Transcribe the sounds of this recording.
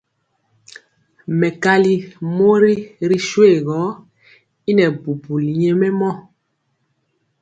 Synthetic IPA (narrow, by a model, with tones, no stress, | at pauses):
mɛ˨ka˦li˦mo˦ɾi˦ɾi˦ʃwe˦˨ɣɔ˨˦ | i˦nɛ˨bu˨bu˨li˨ɲɛ˦mɛ˦mɔ˦˨